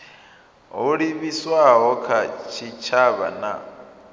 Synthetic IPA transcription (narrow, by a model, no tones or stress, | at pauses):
ɦuɺiβiswaɦɔkʰat͡ʃʰit͡ʃʰaβa̰na